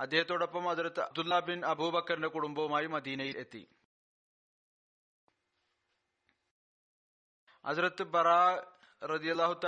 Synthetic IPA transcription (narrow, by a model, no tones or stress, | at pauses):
ɐd̪ːeːɐt̪oɽɐpːɐmɦɐzɾɐt̪̚d̪ulːaːbinɐbʱuːbɐkːɐɾindekuɽumbɐʋumaːjimɐd̪iːnɐjilet̪ːḭ | hɐzɾɐt̪ːɨbɐɾaː | ɾɐd̪ijɐlːaːɦut̪a